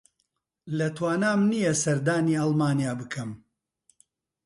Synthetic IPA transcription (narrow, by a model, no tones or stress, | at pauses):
lɐt̪waːnaːmnijɐsɐɾd̪aːniːɑlˠmaːnijaːbɨkʰɐm